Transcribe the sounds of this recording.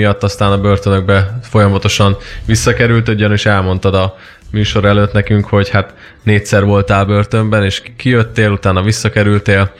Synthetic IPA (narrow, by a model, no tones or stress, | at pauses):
ijɒt̪ːɒst̪aːnɒbørt̪ønøɡ̚bɛfo̞jɒmɒt̪o̞ʃɒnʋisːɒkɛɾylt̪ødɒneʃɛlmo̞n̪t̪ɒd̪ɒ | myːʃo̞ɾɛløt̪nɛkyŋkho̞ɟhat̪ | neːtsɛrʋo̞lt̪aːlbørt̪ø̞mbɛneːʃkijøt̪ːeːlut̪aːnɒʋisːɒkɛɾylt̪eːl